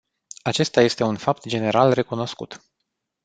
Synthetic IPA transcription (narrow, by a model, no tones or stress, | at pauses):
at͡ʃe̞st̪aje̞st̪e̞unfap̚t̪d͡ʒe̞ne̞ɾalre̞kuno̞skṵt̪